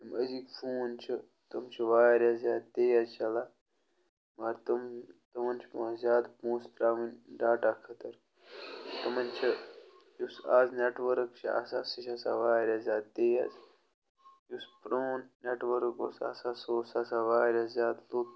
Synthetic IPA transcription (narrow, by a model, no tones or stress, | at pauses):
t̪ɐməzikfʰuːnt͡ʃʰi | t̪ɐmt͡ʃʰiʋaːɾʲazʲjaːd̪̚t̪eːjaːzt͡ʃɐlaː | mɐɾt̪ɐmt̪ɐmɐnt͡ʃʰipɐzʲjaːd̪puːst̪ɾaːʋinʲɖaːʈakʰɐt̪ɐɾ | t̪ɐmɐnʲt͡ʃʰi | jusaːzneʈʋəɾəkt͡ʃʰia̰ːsaːsɐt͡ʃʰaːsa̰ʋaːɾʲaːzʲjaːd̪̚t̪eːjaz | juspɾoːnneʈʋəɾko̰ːsa̰ːsaːsoːsasaːʋaːɾʲazʲjaːd̪loːk